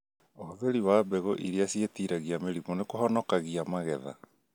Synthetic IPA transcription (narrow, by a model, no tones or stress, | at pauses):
ohoðeɾiwabɛɣoʔiɾiasietiːɾaɣiameɾimonekoɦɔnɔkaɣiamaɣɛða̰